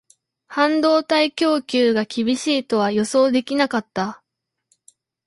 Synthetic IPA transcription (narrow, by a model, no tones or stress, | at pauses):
hãnd̪o̞ːt̪aikʲo̞ːkʲɨːɡakʲibʲiɕiːt̪o̞β̞ajo̞so̞ːd̪e̞kʲinakat̪ːa